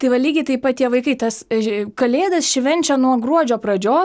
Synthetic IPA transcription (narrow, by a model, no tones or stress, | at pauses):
t̪ɐɪʋɐlʲiːɡʲɪt̪ɐɪpɐt̪ʲiɛʋɐɪkɐɪt̪ɐskɐlʲeːd̪ɐsʃʲʋʲɛnʲt͡ʃʲɛnuɔɡɾuɔd͡ʒʲoːpɾɐd͡ʒʲoː